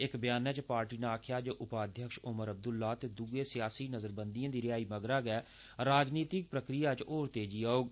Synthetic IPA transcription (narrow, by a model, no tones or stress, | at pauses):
ɪkbɪjaːnɛːt͡ʃpaːɾʈiːnaːkʰjaːd͡ʒoːʔʊpaːd̪ʱjəkʃʊməɾəb̚d̪ʊlːaːt̪eːd̪uɡẽːsɪjaːsiːnəzəɾbə̃nd̪ijãːd̪iːɾɪjaːiːməɡɾaːɡɛː | ɾaːd͡ʒniːt̪ɪk̚pɾəkɾijaːt͡ʃoːɾt̪eːd͡ʒiːaːoːɡ